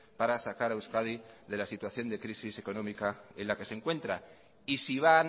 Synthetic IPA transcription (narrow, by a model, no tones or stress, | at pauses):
paɾasakaɾawskaðiðe̞lasit̪waθjo̞nd̪e̞kɾisise̞ko̞nõ̞mikae̞nlake̞seŋkwe̞nt̪ɾa | isiβ̞an